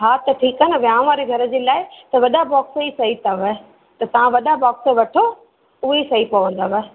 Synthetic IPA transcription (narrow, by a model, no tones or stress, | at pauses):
ɦaːt̪ɐʈʰiːkɐnɪ̆ʋjãːʋaːɾeɡʱɐɾə̆d͡ʑeːlaːɪt̪ɐʋɐɗabɔːksisɐit̪ɐʋə | t̪ɐt̪ɐʋ̤ãʋɐɗabɔːksə̆ʋɐʈʰo | ʊɦesɐipɐʋə̃nd̪aʋə